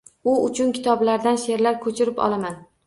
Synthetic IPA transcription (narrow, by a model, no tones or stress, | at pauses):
ʊʊt͡ʃʰʊnkʲʰɪ̥t̪ʰɒblaɾd̪anʃe̞ɾlaɾkʰɵt͡ʃʰɪɾɪpɒ̰lˠaman